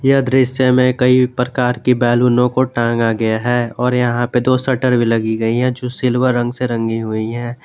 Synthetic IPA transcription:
jɐd̪ɾɪsjemẽkɐipɾəkaːɾkibɛːluːnõkoʈãːŋɡaɡɐjaɦɛːɔːɾjɐɦãped̪oːsəʈəɾbʱilɐɡiɡɐiɦɛ̃d͡ʒoːsɪlwəɾːə̃ŋɡseɾə̃ŋɡiɦʊiɦɛ̃ː

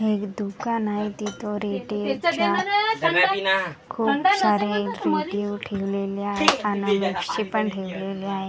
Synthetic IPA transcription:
ɦekd̪ukanait̪it̪oɾeʈet͡ɕa | kʰuːpsaɾeɾeijuʈʰeʋleleaɦeanəməkɕepəɳʈʰeʋleleaɦe

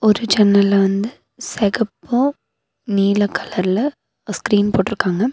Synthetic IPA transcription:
ɔɾɯd͡ʒɛnːɐlːɐʋɐnd̪ɯ | sɛɣɐpːo | niːlɐkʰːɐlɐɾlɐ | skɾiːnpoːʈːɪɾɯkːaːŋɡɐ

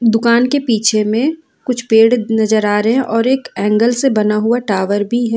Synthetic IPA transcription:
d̪ʊkaːnkepiːt͡ʃʰemẽ | kʊt͡ʃʰpeːɽnɐd͡ʒəɾaːɾɐɦɛ̃ʔɔːɾeːkɛ̃ːŋɡəlsebɐnaɦuaʈaːʋəɾbʱiɦɛː

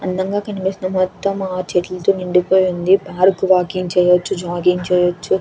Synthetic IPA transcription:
ɐnd̪ɐŋɡaːkɐnipisinɐmɔt̪ːɐmaːt͡ʃeʈilt̪oːniɳɖipoːjund̪ipaːɾkʋaːkiŋt͡ʃɛːjɐt͡ʃːud͡ʒaːɡiŋt͡ʃɛːjɐt͡ʃːu

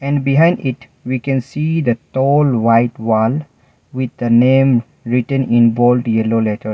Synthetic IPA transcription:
ɛ̃ɳɖbiɦãɪ̃nɖɪʈ | ʋiːkɛ̃nsiːd̪ətɔːlʋaɪʈʋɔːl | ʋɪd̪̚d̪ənẽːm | ɾɪʈə̃nɪ̃nbɔːlɖjɛloːleʈəɾ

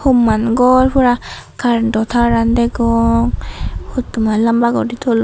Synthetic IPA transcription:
hɔmːanɡɔɹpʰɔɾa | kʰaɾdɔt̪ʰaɾandɛɡɔŋhutːumalambaɡɔditʰɔl

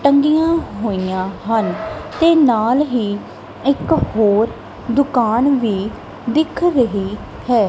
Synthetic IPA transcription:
ʈəŋɡijãːɦoːijãːɦənt̪eːnaːlɦiː | ɪkhoːɾ | d̪ʊkaːnʋiː | d̪ɪkʰɾəɦiː | hɛː

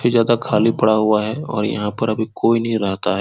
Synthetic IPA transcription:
ezjaːd̪akʰaːlipɐɽaɦuaɦɛɔ̰ːɾjɐ̰ɦãpɐɾɐbʱikʰoːinɐɦĩɾɛɦt̪a̰ɦɛː

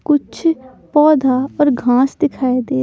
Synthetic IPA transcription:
kʊt͡ʃʰ | pɔːd̪ʱaɔːɾɡʱãːsd̪ɪkʰaːed̪eː

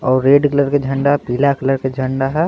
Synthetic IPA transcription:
ɔːɾːeːɖkləɾked͡ʒʱə̃ɳɖaɦpilakləɾked͡ʒʱə̃ɳɖaɦɛ

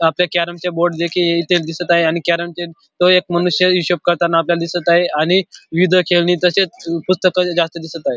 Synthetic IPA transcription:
apljakæɾəmt͡ɕjaboɾɖd͡ʑekʰieit̪eld̪isət̪aɦeañikæɾəmt͡ɕe | t̪oek̚məñuɕjəuɕop̚kəɾt̪anːaːpljald̪isət̪aɦeaɽ̃iʋid̪ʱəkʰelniːt̪əset͡spust̪əkəd͡zast̪əd̪isət̪aɦe

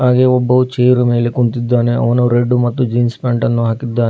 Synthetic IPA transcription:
ɦaːɡeɔbːɐut͡ʃeːjɾume̞ːlekuɳt̪id̪ːaːneʔɐʋɐnuɾeɖːumɐt̪ːud͡ʒiːnspaːɳʈɐnːuɦaːkid̪ːaːne

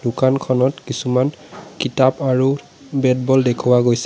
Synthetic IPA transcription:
dʊkankʰɔnɔtkisuman | kitapaɹu | bɛt̚bɔldekʰuwaɡojsɛ̥

